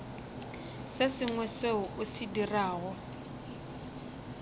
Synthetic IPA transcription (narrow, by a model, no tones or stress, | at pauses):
sesɪŋwɛseʊʔusidiraːɣɔ